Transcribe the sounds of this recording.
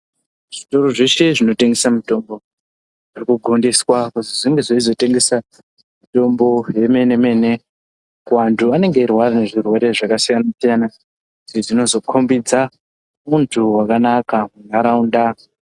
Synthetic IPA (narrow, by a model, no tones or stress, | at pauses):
ʐ̥ito̞ɾo̞ʐe̞ʃe̞ʐino̞te̞ŋɡe̞samito̞mbo̞ | ʐirikuɡʱondiswakutiʐiŋɡe̞ʐoizo̞te̞ŋɡe̞sa | mito̞mbo̞je̞me̞ne̞me̞ne̞ | kuwantʰuane̞ŋɡe̞irwarane̞ʐirwe̞ɾe̞ʐakasijanasijana | kutiʐino̞zo̞kʰo̞mbid͡za | muntʰuwakanakamunaɾaunda